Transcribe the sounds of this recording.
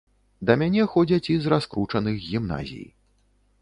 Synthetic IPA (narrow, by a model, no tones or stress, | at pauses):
d̪ɐmʲanʲɛxɔd͡zʲɐt͡sʲizraskɾut͡ʂɐnɨɣɣʲimna̰zʲḭj